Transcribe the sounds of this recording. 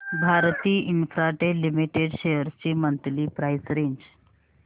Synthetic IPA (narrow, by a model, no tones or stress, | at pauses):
bʱaɾt̪iːinfɾaʈelimiʈeɖɕejəɾt͡ɕiːmənt̪liːpɾajsɾeɲd͡ʑ